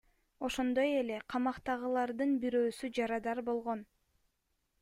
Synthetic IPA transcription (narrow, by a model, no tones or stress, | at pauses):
o̞ʃo̞nd̪o̞je̞le̞qʰɑmɑqt̪ɑʁɯlˠɑɾd̪ɯnbiɾøːsyd͡ʒɑɾɑd̪ɑɾbo̞lˠʁo̞n